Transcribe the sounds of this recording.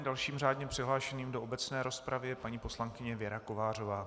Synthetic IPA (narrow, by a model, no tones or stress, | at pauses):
dalʃiːmr̝aːdɲɛpr̥ɪɦlaːʃɛniːmdoʔobɛt͡snɛːɾo̞spɾavɪjɛpaɲiːpo̞slaŋkɪɲɛvjɛɾako̞vaːr̝o̞vaː